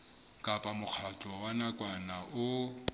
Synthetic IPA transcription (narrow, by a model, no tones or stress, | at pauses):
kʼapʼamʊk͡xʰat͡ɬʼɔwanakʼwanaʔʊ